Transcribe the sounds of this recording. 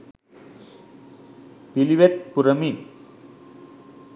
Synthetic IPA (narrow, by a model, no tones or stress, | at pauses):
piliʋet̪̚puɾɐmi